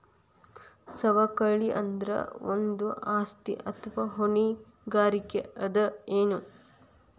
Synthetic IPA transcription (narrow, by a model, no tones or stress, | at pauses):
sɐʋɐkɐɭiʔɐ̰nd̪ɾɐ̰o̰nd̪uʔaːst̪ḭʔɐt̪ʰʋaɦoɳi | ɡaːɾikḛɐd̪ɐeːnu